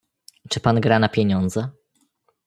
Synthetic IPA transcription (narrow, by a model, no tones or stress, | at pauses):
t͡ʂɘpanɡɾanapʲjeɲɔnd̪zɛ